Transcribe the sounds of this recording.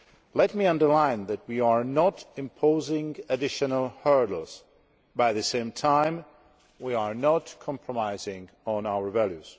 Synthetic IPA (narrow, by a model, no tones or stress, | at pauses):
lɛt̚miʌ̃ndə˞lãɪ̃nðɨt̚wiəɹnɔɾɨ̃mpʰoʊzɪ̃ŋɨdɪʃɨnəlˠhɜ˞dl̩ˠz̥ | baɪðɨsẽɪ̃mtʰãɪ̃m | wiaɹnətkʰɑ̃mpʰɹɔmaɪzɪ̃ŋ | ə̃nawə˞vælˠjʉz̥